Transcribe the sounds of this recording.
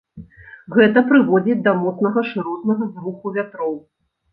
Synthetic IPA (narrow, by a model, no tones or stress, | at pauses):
ɣɛt̪ɐpɾɨvɔd͡zʲit͡sʲd̪ɐmɔt̪snɐɣɐʂɨɾɔt̪nɐɣɐzvuxuvʲat̪ɾɔw